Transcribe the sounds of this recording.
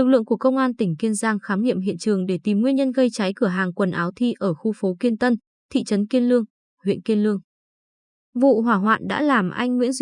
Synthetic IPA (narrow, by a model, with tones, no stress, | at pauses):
ɨ˨˩k̚lɨ̰˧˨əŋku˧˩əkə˧wŋ͡mʔaː˧nt̪ï˧˩ŋ̟ki˧ənzaː˧ŋxaː˨˦mɲḭ˧˨əmɦḭ˧˨ənt͡ɕɨ˨˩əŋɗe˧˩t̪i˨˩mŋwi˧ənɲə˧nɣə˧jt͡ɕa˨˦jkɨ˧˩əɦaː˨˩ŋkwə˨˩nʔaː˨˦wt̪ʰi˧ʔəː˧˩xu˧fo˨˦ki˧ənt̪ə˧n | t̪ʰḭ˧˨t͡ɕə˨˦nki˧ənlɨ˧əŋ | hwḭ˧˨ənki˧ənlɨ˧əŋ | vṵ˧˨ɦwaː˧˩ɦwa̰ː˧˨nɗa̰ː˧˥laː˨˩mʔa˧jŋ̟wḭ˧˥ənz